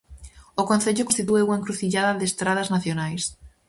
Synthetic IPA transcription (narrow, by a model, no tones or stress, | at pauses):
okõnθeʎʊkonst̪it̪ueuŋaẽŋkɾuθiʎaðɐðest̪ɾað̞ɐznaθjonajs